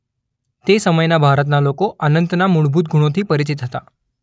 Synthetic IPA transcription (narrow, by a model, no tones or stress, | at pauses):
t̪esəməjnabʱaɾət̪nalokoʔənənt̪namuɭbʱuːt̪̚ɡʱuɽ̃ot̪ʰiːpəɾit͡ɕit̪ɦət̪a